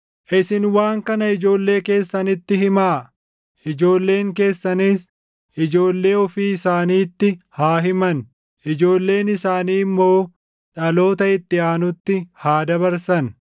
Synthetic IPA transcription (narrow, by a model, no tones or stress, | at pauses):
ʔɪsɪnwaːŋkɐnɐɪd͡ʒo̞ːlːe̞ːke̞ːsːɐnɪt̪ːɪɦɪmaː | ʔɪd͡ʒo̞ːlːe̞ːŋke̞ːsːɐniːs | ʔɪd͡ʒo̞ːlːe̞ːɔfiːɪsaːniːt̪ːɪhaːɦɪmɐn | ʔɪd͡ʒo̞ːlːe̞ːnɪsaːniːmːo̞ː | ᶑɐlo̞ːt̪ɐɪt̪ːɪaːnʊt̪ːɪhaːd̪ɐβɐɾsɐn